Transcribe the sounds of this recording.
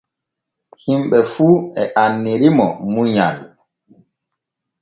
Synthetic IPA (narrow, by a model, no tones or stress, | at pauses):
himɓɛfuːɛʔanːiɾimɔmuɲa̰l